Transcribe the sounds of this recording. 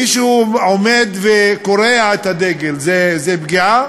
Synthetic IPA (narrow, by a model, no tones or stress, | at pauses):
iʃomed̪vekoʁeaet̪had̪eɡelzezebɡia